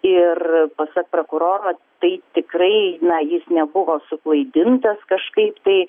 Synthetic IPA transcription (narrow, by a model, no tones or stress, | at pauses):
ɪrpɐsɐk̚pɾoːkʊɾoːɾoːt̪ɐɪt̪ʲɪkrɐɪnɐjɪsnʲɛbʊʋoːsʊklˠɐɪd̪ʲɪnt̪ɐskɐʃkɐɪpt̪ɐɪ